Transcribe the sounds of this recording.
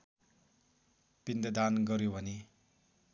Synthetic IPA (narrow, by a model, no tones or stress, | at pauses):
pind̪ed̪anɡʌɾjobʱʌni